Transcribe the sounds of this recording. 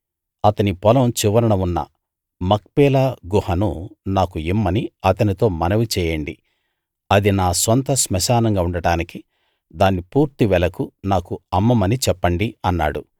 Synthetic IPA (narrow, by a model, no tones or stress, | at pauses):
ɐt̪ɐnipɔlɐmt͡ʃiʋɐɾɐɳɐunːɐ̰ | mɐk̚pɛːlaːɡuhɐnunaːkuimːɐniɐt̪ɐnit̪o̞ːmɐnɐʋit͡ʃɛːjɐɳɖi | ɐd̪inaːsɐnt̪ɐsmɐʃaːnɐŋɡaːuɳɖɐɽaːniki | d̪aːnːipuːɾt̪iʋɛlɐkunaːkuɐmːɐmɐnit͡ʃɛpːɐɳɖiɐnːa̰ːɽṵ